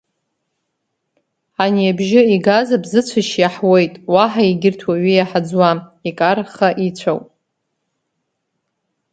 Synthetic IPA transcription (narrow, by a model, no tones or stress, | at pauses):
aniabʒɪiɡazabzɨt͡sʷʰaʃjaħwe̞jtʼwaħaiɡʲɪrtʰwaɥijaħad͡zwamikʼaɾχaʔit͡ɕʷʰawpʼ